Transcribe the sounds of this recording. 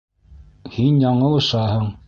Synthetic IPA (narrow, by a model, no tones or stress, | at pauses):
hinjɑɴɤlˠɤ̆ʃɑhɤɴ